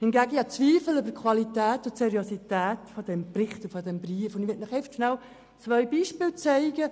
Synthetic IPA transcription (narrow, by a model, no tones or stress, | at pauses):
hɪnɡæɡəjɑt͡sʋiːfəl̩øbəkʰʋɑlitæːtʊtsɛɾiositæːtfod̥ɛmprɪχtʊfodɛmbriəfʊndʋɪt̚naχɛftʃnaw | t͡svœʏbiːʃpɪːlt͡sæɪɡə